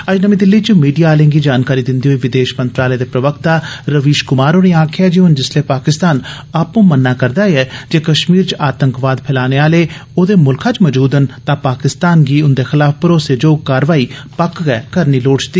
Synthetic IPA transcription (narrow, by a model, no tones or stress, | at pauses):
əd͡ʒnəmĩːd̪ɪlːiːt͡ʃmiːɖijaːlẽːŋɡiːd͡ʒaːnkaːɾiːd̪ɪnd̪iːɦoːiːʋɪd̪eːʃmənt̪ɾaːleːd̪eːpɾəʋəkt̪aːɾəʋiːʃkʊmaːɾoːnẽãːkʰɪaːd͡ʒeːɦʊnd͡ʒɪsleːpaːkɪst̪aːn | aːpnũːmənːaːkəɾd̪aːeɛːd͡ʒeːkəʃmiːɾt͡ʃʔaːt̪əŋkʋaːd̪pʰɛːlaːneːaːleːoːd̪eːmʊlkʰãːt͡ʃməd͡ʒuːd̪ənt̪ãːpaːkɪst̪aːnɡiːʊnd̪eːxɪlaːfpəɾoːseːd͡ʒoːkaːɾʋaːiːpəkɡɛːkəɾniːloːɽt͡ʃt̪iː